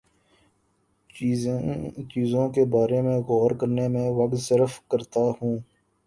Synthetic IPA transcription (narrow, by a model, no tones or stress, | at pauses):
t͡ʃiːzõkebaːɾemẽɣɔːɾkəɾnemẽʋək̪səɾəfkəɾt̪ahũː